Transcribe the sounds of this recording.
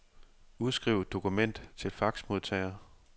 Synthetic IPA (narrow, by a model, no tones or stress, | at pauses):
uð̞ˠsɡ̥ʁiʊd̥o̝kʰumen̰d̥t͡sʰe̝lfɑ̈ɡ̥smo̝ð̞ˠt͡sʰɛ̰ːɐ